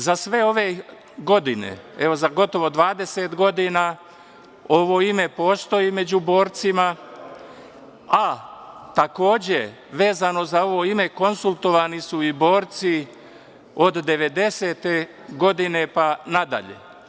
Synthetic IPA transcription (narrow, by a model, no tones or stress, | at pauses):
zasʋe̞o̞ʋe̞ | ɡo̞d̪inḛeʋo̞zaɡo̞t̪o̞ʋo̞d̪ʋaːd̪e̞set̪ɡo̞d̪inaː | o̞ʋo̞ːime̞po̞ːst̪o̞ime̞d͡ʑubo̞ːɾt̪sima | at̪ako̞ːd͡ʑe̞ | ʋeːzano̞zao̞ʋo̞ːime̞ko̞nsulˠt̪o̞ʋaːnisuibo̞ːɾt̪si | od̪ːe̞ʋe̞d̪e̞seːt̪e | ɡo̞d̪ine̞panad̪a̰ʎḛ